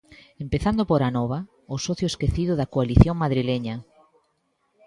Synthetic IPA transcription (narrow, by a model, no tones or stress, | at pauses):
empeθand̪opoɾanɔβ̞a | osɔθjoeskeθiðʊðɐkoaliθjoŋmaðɾileɲɐ